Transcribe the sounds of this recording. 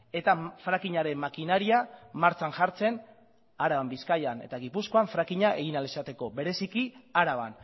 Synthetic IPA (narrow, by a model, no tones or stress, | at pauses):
e̞t̪afɾakiɲaɾe̞mmakinaɾiamaɾt͡sanʝaɾt͡se̞n | aɾaβambiskajane̞̰t̪aɣipusko̞aɱfɾakiɲaʔe̞ɣ̞inalisat̪e̞ko̞βe̞ɾe̞sikiaɾaβa̰n